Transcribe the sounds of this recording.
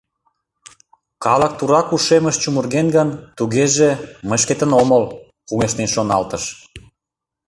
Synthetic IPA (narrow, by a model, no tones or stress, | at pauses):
kɑlə̆k̚t̪uɾɑkuʃeməʃt͡ɕumurɣenɡənt̪uɣeʒeməʃket̪ənoməl | puŋeʃnenʃonɑlt̪əʃ